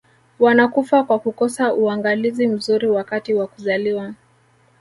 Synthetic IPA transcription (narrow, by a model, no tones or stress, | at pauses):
wanakufakwakukɔsaʔuaŋɡalizim̩zuɾiwakatiwakuzaliwa